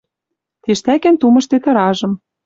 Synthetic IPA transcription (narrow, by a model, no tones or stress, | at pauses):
t̪eʃt̪ækæ̆nt̪umɤ̆ʃt̪et̪ɤ̆ɾɑʒɤ̆m